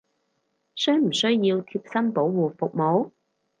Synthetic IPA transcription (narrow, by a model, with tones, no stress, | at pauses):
sœː˥ŋm̩˨˩sɵ˥ɥji˧wt̪ʰiː˧˥p̚sɐ˥npo˨˥wwuː˨fʊ˨k̚mo˨˥w